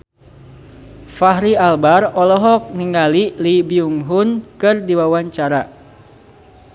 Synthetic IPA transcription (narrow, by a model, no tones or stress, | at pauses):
faɦɾialbarɔlɔɦɔk̚niŋalilibiuŋɦunkɨrdiwawaɲt͡ʃaɾa